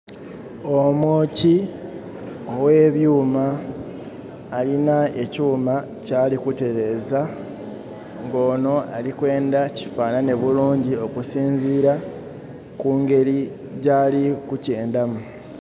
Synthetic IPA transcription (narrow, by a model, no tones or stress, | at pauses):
o̞moːci | owe̞ːβjuːma | linaecuːma | caːlikute̞ɾe̞ːza | ŋɡo̞ːno̞a̰likwe̞ːndaci̥faːnane̞βuluːɲɟio̞kusiːɲziːɾa | kuːŋɡe̞ɾi | ɟaːlikuce̞ːndamu